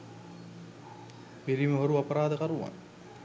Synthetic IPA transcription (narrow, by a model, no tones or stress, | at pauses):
piliməɦoɾuapəɾaːd̪əkaɾuʋa̰ŋ